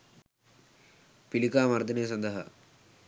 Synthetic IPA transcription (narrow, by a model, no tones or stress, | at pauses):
pilikaːmɐɾd̪ɐneːs̬ɐnd̪ɐɦɐ̰